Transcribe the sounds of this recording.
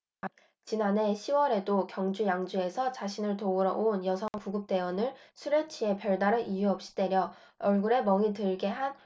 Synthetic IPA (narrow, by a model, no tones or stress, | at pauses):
t͡ɕinane̞ɕʰiwʌɾe̞dokjʌŋd͡ʑujaŋd͡ʑue̞sʰʌt͡ɕaɕʰinɯɭtoɯɾʌʔonjʌsʰʌŋkuɡɯp̚t͈e̞wʌnɯɭsʰuɾet͡ɕʰie̞pjʌɭdaɾɯnʔijuʌp̚ɕ͈i̥de̞ɾjʌ | ʌɭɡuɾe̞mʌŋitɯɭɡe̞ɦan